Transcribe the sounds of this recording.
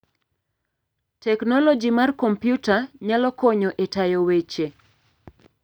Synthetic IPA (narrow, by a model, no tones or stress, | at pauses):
tɛknɔlɔd͡ʒimarkompjutaɲalɔkɔɲɔʔetajowet͡ʃe